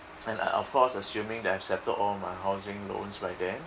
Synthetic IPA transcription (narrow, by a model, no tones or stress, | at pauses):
ɛ̃na̰ʔɔ̰fkʰɔsəsjũmɪ̃ŋdɛthɛfsɛp̚təɔlmaɪɦaʊzɪ̃ŋlõ̰nsbajdɛ̃m